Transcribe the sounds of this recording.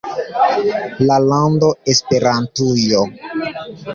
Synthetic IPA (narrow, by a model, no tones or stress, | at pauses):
lalando̞espe̞ɾantujo